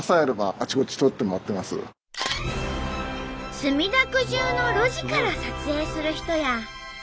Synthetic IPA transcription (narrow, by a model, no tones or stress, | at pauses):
saeɾebaːt͡ɕiko̞t͡ɕi̥t̪o̞t̪ːe̞moat̪ːe̞masɨ̰ | sɨmʲid̪akɯ̟ʑɨːno̞ɾo̞ʑikaɾasat͡sɨe̞ːsɨɾɯ̟çi̥t̪o̞ja